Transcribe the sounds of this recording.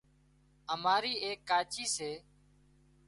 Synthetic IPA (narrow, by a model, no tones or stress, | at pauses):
əmaːɾiːeːkːaːt͡ʃiːseː